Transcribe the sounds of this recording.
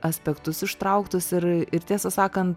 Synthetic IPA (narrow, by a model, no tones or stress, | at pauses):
ɐsʲpʲɛkt̪ʊsɪʃt̪ɾɐʊkt̪ʊsɪɾɪɾt̪ʲiɛsɐsɑːkɐnt̪